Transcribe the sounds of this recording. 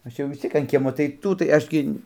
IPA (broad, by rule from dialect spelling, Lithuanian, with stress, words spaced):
ˈɐʃ jɛʊ ʋʲɪs ˈt͡sʲiɛk ɐn ˈkʲiɛmoː tɐɪ ˈtuː tɐɪ ˈɐʃ ɡʲɪ